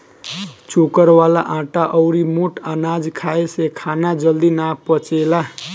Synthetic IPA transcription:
t͡ʃukəɾwala̰ʔãʈaʔʌwɾimuʈanad͡zkʰaesekʰanad͡ʒʌld̪inapʌt͡ʃela

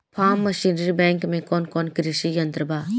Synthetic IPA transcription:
pʰaːmːɐʃiːnɾibɛ̃ːŋkmẽkɔːnkɔːnkɾiʃijɐnt̪ɾəbaː

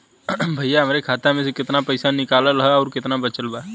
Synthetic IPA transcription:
bʱɐijaɦɐmɾekʰaːt̪amẽsekɪt̪napɐɪsanɪkaːlalɦaɔːɾkɪt̪nabɐt͡ʃəlbaː

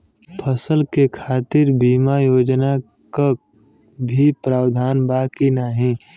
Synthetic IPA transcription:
pʰəsəlkekʰaːt̪ɪɾbiːmajoːd͡ʒna | ka | bʱipɾaːwd̪ʱaːnbaːkinaɦĩ

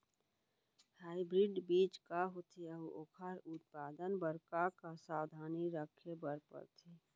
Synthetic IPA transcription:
haːɪbɾɪɖbiːt͡ʃkaɦot̪ʰiəʋokʰaɾʊt̪̚paːd̪ənbəɾkakasaːwd̪ʱaːniɾəkʰebəɾpə̰ɾt̪ʰiː

